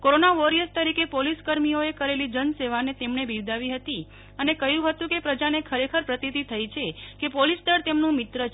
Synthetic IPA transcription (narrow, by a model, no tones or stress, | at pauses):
koɾonaʋoɾiəst̪əɾikepoliskəɾmijoekəɾelid͡ʒənseʋanet̪emɳebʱiɾd̪ʱaʋiɦət̪i | ənekəjũɦət̪ũkepɾəd͡ʒanekʰəɾekʰəɾpɾət̪it̪it̪ʰəjit͡ʃʰekepolisʈ̪əɾt̪emnũmɪt̪ɾət͡ʃ